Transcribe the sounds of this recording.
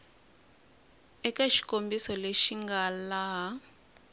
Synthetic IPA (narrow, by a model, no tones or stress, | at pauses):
ɛkaʃi̥kombisɔleʃiŋɡalaɦa